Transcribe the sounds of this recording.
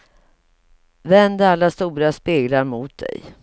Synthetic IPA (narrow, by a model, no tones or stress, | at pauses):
vɛnd̪əalːast̪uːɾaspeːɡlaɾmʊːt̪̚d̪ɛ̰j